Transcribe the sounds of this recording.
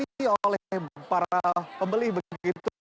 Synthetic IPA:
iolɛhpaɾapəmbəlɪhbəəɡit̪u

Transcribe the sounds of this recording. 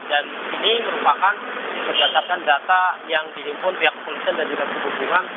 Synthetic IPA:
daniniməɾupakanpərd͡ʒat̪ap̪̚kandat̪ajaŋdiɦimpʊnpiak̚polisiandand͡ʒuɡakəbukuŋan

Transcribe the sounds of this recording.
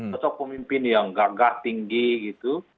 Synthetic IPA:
ɔt͡ʃɔk̚pəmimpɪnjaŋɡaɡaht̪iŋɡiɡit̪u

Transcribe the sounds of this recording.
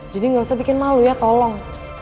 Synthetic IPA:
d͡ʒadiŋɡabisabikɪnmalujat̪ɔlɔŋ

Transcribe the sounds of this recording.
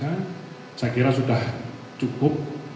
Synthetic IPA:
ḁ | d͡ʒ̥akiɾasuɖah | t͡ʃukʊp̚

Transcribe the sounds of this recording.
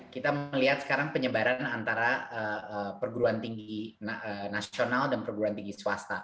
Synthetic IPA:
kit̪aməliɦat̪̚sə̥kaɾaŋpəɲəbaɾanant̪aɾaəəpərɡuɾuant̪iŋɡinənasionaldanpərɡuɾuant̪iŋɡiswast̪a

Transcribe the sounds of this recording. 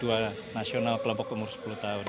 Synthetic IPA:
ua | nasionalkəlɔmpɔkumursə̥pulut̪aun

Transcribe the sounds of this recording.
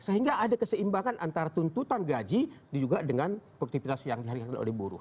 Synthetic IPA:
səɦiŋɡaʔːdakəsəimbaŋanʔant̪aɾat̪unt̪ut̪anɡad͡ʒidid͡ʒuɡadəŋanpukt̪ipit̪asjaŋdiɦalikakano̰lɛhbuɾṵh

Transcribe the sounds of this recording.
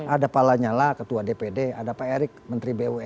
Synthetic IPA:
adapalaɲalakət̪uadepedeadapaeɾɪk̚mənt̪ɾibewɛ

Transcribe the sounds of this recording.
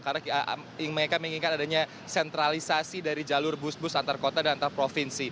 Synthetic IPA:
karak | ŋməŋekamiŋiŋkanadaɲa | sɛnt̪ɾalisasidaɾid͡ʒalʊrbʊsbʊsant̪arkot̪adanant̪arpɾofinsi

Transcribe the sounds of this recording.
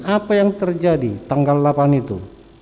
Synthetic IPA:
apajaŋt̪ərd͡ʒadit̪aŋɡalːapanit̪ṵ

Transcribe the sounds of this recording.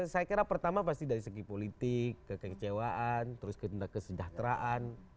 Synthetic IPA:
sajakiɾapərt̪amapast̪idaɾisəɡipolit̪ɪkːəkət͡ʃewaʔant̪əɾʊskəndakːəsəd͡ʒaht̪ɾaʔan

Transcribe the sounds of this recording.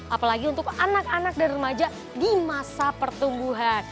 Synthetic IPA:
ʔapalaɡiunt̪ʊk̚anak̚anak̚danrəmad͡ʒa | dimasapərt̪umbuɦan

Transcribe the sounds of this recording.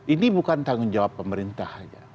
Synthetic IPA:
ʔinibukant̪aŋʊnd͡ʒawapːəməɾint̪ahd͡ʒa̰

